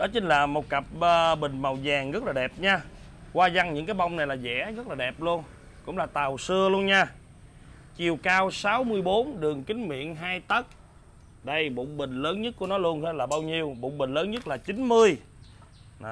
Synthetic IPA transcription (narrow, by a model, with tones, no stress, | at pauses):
ɗɔ˨˦t͡ɕï˧ŋ̟laː˨˩mo˨˩t̚kə˨˩p̚əː˨ɓï˨˩ŋ̟ma˨˩wzaː˨˩ŋɣə˦˥t̚laː˨˩ɗɛ˨˩p̚ɲaː˧ | kwaː˧za˧ŋɲɨ̰˧˥ŋkaː˨˦jɓa˧wŋ͡mna˨˩jlaː˨˩zɛ̰˧˥ɣə˦˥t̚laː˨˩ɗɛ˨˩p̚lu˧ən | kʊ̰˧˥ŋ͡mlaː˨˩t̪a˨˩wsɨ˧əlu˧ənɲaː˧ | t͡ɕi˨˩əwkaː˧wsaː˨˦wmɨ˧əjɓo˨˦nɗɨ˨˩əŋkï˨˦ŋ̟mḭ˧˨ənɦaː˧jt̪ə˦˥t̚ | ɗə˧jɓo̰˧˨ŋ͡mɓï˨˩ŋ̟ləː˨˦nɲə˦˥t̚ku˧˩ənɔ˨˦lu˧ənhlaː˨˩ɓaː˧wɲi˧əwɓo̰˧˨ŋ͡mɓï˨˩ŋ̟ləː˨˦nɲə˦˥t̚laː˨˩t͡ɕï˨˦nmɨ˧əj